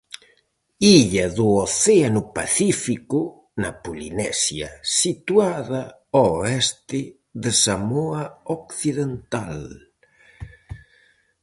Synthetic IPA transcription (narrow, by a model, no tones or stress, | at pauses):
iʎaðuoθeanʊpaθifiku | napulḭnɛsjasit̪waða | oɛst̪ɪ | ðesamoaokθiðent̪al